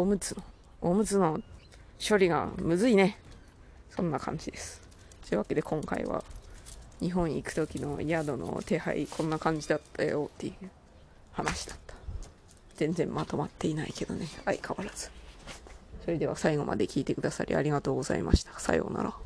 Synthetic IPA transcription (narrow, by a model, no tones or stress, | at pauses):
omɯ̟t͡sɨno | omɯ̟t͡sɨno̞ | ɕo̞ɾʲiɡa̰mɯ̟zɨine̞ | sõ̞nːakʰã̰ɲ̟d͡ʑid̪e̞sɨ̥ | t̪oɯβake̞d̪e̞kʰõ̞ŋkaḭβa̰ | ɲ̟iɦõ̞ɰ̃ikɯ̥t̪o̞kʲino̞jad̪o̞no̰t̪e̞ha̰ḭkʰõ̞nːakãɲ̟d͡ʑid̪at̪ʰːajo̰t̪ːejɯ̟ | hanaɕi̥d̪ḁt̪ːḁ | z̥ẽ̞nd͡zẽ̞mmat̪o̞mat̪ʰːe̞inaike̞d̪̥o̞̰ne̞aikʰaβaɾaz̥ɨ̥ | ɕo̞ɾʲid̪e̞βasaiɡo̞mʔa̰d̪e̞kʲiːt̪e̞kɯ̟d̪asa̰ɾʲḭa̰ɾʲiɡat̪o̞ːɡo̞zaḭma̰ɕi̥t̪ʰḁsa̰ḭɡo̰na̰ɾa̰